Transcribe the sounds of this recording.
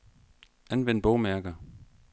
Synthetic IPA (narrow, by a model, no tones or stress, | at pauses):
ænʋen̰̚b̥ɒʊmæɐɡ̥ɐ